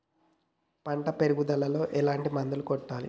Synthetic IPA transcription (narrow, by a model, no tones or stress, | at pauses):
pɐɳʈɐpeɾuɡud̪ɐlɐlo̞ːʔɛlaːɳʈimɐnd̪ɐlukɔʈːaːlḭ